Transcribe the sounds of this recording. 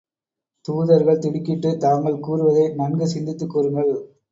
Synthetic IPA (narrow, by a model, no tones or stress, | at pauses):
t̪uːðɐɾɣɐɭt̪ɪɽɪkːɪʈːɯt̪aːŋɡɐɭkuːɾɯʋɐðɐɪnɐnɡɯsɪnd̪ɪt̪ːɯkːoːɾɯŋɡɐɭ